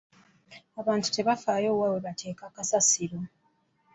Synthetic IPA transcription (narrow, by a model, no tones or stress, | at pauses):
aβaːntu̥te̞βafaːjo̞ːwaweβatʰe̞ːkakasasiɾo̞